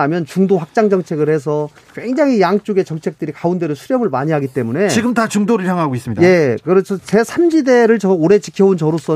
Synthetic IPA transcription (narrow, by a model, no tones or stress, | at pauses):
amjʌnt͡ɕuŋdoɸak̚t͡ɕ͈aŋd͡ʑʌŋt͡ɕʰe̞ɡɯɭhe̞s̬ʰʌ | kweŋd͡ʑaŋɦijaŋt͡ɕ͈oɡe̞t͡ɕʌŋt͡ɕʰe̞k̚t͈ɯɾikaunde̞ɾosʰuɾjʌmɯɭmaɲiɦaɡit͈e̞mune̞t͡ɕiɡɯmtat͡ɕuŋdoɾɯɭçjaŋɦaɡois͈ɯmɲidje̞kɯɾesʰʌt͡ɕe̞sʰamd͡ʑide̞ɾɯɭt͡ɕʌoɾe̞t͡ɕikʰjʌunt͡ɕʌɾos͈ʌ